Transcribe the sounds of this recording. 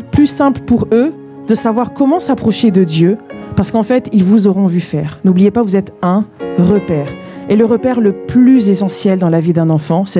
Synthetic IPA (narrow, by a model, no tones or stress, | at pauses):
plysɛ̃pləpuʁø | d̪əsavwaʁkɔmɑ̃sapχɔʃed̪əd̪jøpaʁsəkɑ̃fɛt̪ilvuzɔʁɔ̃vyfɛːʁnublijepavuzɛt̪ɛ̃ʁəpɛːʁ | eləʁəpɛʁləplyzesɑ̃sjɛld̪ɑ̃lavid̪ɛ̃nɑ̃fɑ̃sɛ